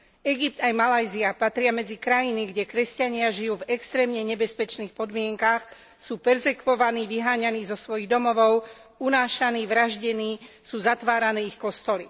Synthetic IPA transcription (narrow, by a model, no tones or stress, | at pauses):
ɛɡip̚t̪ajmalajziapat̪ɾɪamɛd͡zikɾajiniɡɟɛkɾɛscaɲɪaʒijuːvɛkst̪ɾɛːmɲɛɲɛbɛspɛt͡ʃniːxpɔd̪mɪɛŋkax | suːpɛɾzɛkʋɔʋaniːʋiɦaːɲaniːzɔsʋɔjiɣd̪ɔmɔʋɔʊ | unaːʃaniːʋɾaʒɟɛniː | suːzat̪ʋaːɾanɛːixkɔst̪ɔli